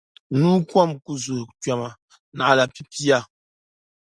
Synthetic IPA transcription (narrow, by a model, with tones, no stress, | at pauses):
nuː˦kwɔ˦˨mku˦zu˨ta˨ma˨ | na˨a˨la˨pi˦pi˦a˦˨